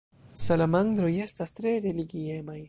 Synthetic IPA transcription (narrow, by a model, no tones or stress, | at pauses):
salamaŋd̪ɾoje̞stastɾe̞ɾe̞liɡie̞maj